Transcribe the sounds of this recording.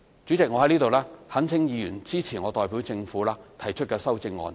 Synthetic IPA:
t͡ʃyː˨˥t͡sɪ˨k̚ŋɔː˨˧hɐ˨˥jniː˥t̪o˨wlaː˥hɐ˨˥nt͡sʰɪ˨˥ŋjiː˨˧jyː˨˩nt͡siː˥t͡sʰiː˨˩ŋɔː˨˧t̪ɔː˨˧jpiː˨˥wt͡sɪ˧ŋfuː˨˥laː˥t̪ʰɐ˨˩jt͡ʃʰɵ˥t̚kɛː˧sɐ˥wt͡sɪ˧ŋːɔ̰ː˨˧n

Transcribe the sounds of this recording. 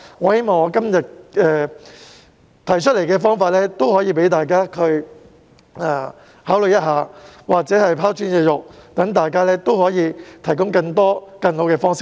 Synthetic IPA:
ŋɔː˨˧he˨˥jmɔː˨˩ŋɔː˨˧kɐ˥mjɐ˨t̚ɛː˨ | t̪ʰɐ˨˩jt͡ʃʰt̚le˨˩jkɛː˧fɔː˥ŋfaː˧t̚lɛː˥t̪o˥whɔː˨˥jiː˨˧p̬e˨˥jt̪aː˨jkaː˥kʰɵ˧ɥ | ɛː˨˩ | haː˨˥wlɵ˨jɐ˥t̚haː˨˧waː˨k̚t͡sɛː˨˥hɐ˨jpʰaː˥wt͡ʃyː˥njɛː˧jʊ˨k̚t̪ɐ˨˥ŋt̪aː˨jkaː˥lɛː˥t̪o˥whɔː˨˥jiː˨˧t̪ʰɐ˨˩jkʊ˥ŋkɐ˧ŋt̪ɔː˥kɐ˧nho˨˥wkɛː˧fɔː˥ŋsɪ˥k̚

